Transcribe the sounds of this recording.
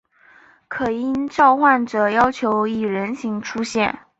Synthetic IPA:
kʰɤ˨˩i˥nʈ͡ʂɑ˥˧ʊxwa˥˩nʈ͡ʂɤ˨˩jɑ˥ʊt͡ɕʰjo˧˥ʊi˨˩ɻə˧˥nɕi˧˥ŋʈ͡ʂʰu˥ɕjɛ˥˩n

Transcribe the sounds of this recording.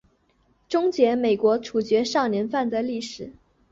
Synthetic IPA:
ʈ͡ʂʊ˥ŋt͡ɕjɛ˧˥me˨˩ɪkwɔ˧˥ʈ͡ʂʰu˨˩t͡ɕɥɛ˧˥ʂɑ˥˩ŋnjɛ˧˥nfa˥˩nd̪ə˩li˥˩ʂɻ̩˨˩˦

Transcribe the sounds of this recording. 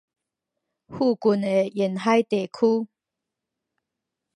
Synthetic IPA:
hu˥˧˨ku˨ne˨jɛ˨˩˨nɦa˦jt̪e˨kʰu˦

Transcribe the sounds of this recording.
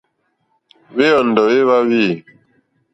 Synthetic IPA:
βe˦ɔ˨n˨dɔ˨je˦βa˦βi˦˨

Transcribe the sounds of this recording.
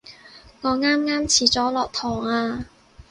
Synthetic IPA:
ŋɔː˨˧ŋaː˥mŋaː˥mt͡sʰiː˨˩t͡sɔː˨˥lɔː˨k̚t̪ʰɔː˨˩ŋaː˧

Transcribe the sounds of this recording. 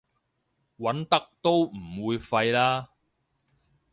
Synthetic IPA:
wɐ˨˥nt̪ɐ˥k̚t̪o˥wm̩˨˩wuː˨˧jfɐ˧jlaː˥

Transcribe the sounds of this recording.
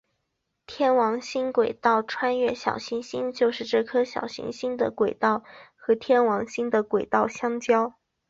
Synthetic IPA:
t̪ʰjɛ˥˩nwɑ˧˥ŋɕi˥nkwe˨˩ɪt̪ɑ˥˩ʊʈ͡ʂʰwa˥nɥɛ˥˩ɕjɑ̰˨˩ʊɕi˧˥nɕi˥nt͡ɕjo˥˧ʊʂɻ̩˥˧ʈ͡ʂɤ˥˩kʰɤ˥ɕjɑ̰˨˩ʊɕḭ˧˥ŋɕi˥nd̪ə˨kwe˨˩ɪt̪ɑ˥˩ʊxɤ˧˥t̪ʰjɛ˥nwɑ˧˥ŋɕi˥nd̪ə˨kwe˨˩ɪt̪ɑ˥˩ʊɕjɑ˥ŋt͡ɕjɑ˥ʊ

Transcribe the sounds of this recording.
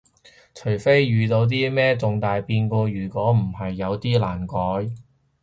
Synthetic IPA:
t͡ʃʰɵ˨˩jfe˥jːyː˨˧t̪o˨˧wt̪̬iː˥mɛː˥t͡sʊ˨˧ŋt̪aː˨jpiː˧nkɔː˧jyː˨˩kʷɔː˨˥m̩˨˩hɐ˨jːɐ˨˧wt̪iː˥laː˨˩nkɔː˨˥j

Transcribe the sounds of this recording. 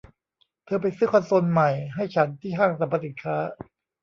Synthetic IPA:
t̪ʰɤː˧p̬a˧jsɯː˦˥kʰa˧nso˧nma˨˩jɦa˥˩jt͡ɕʰa˦˥nt̪ʰiː˥˩haː˥˩ŋsa˨˦mpʰa˧si˨˩nkʰaː˦˥

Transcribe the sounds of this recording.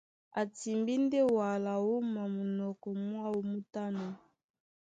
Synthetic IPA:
a˨ti˨mbi˦nde˦wa˨la˨wu˦ma˨mu˨nɔ˨kɔ˨mwa˦wo˦mu˦ta˦nɔ˨

